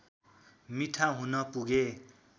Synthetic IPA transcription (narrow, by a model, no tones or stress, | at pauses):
miʈʰaɦunʌpuɡe